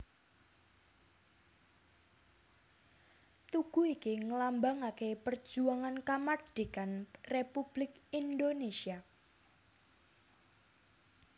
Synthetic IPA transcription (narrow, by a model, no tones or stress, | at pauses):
t̪uɡ̥uikiŋəlambaŋakepər̥d͡ʒ̥uaŋankamard̥ikanrepub̥lɪk̚ind̪onesia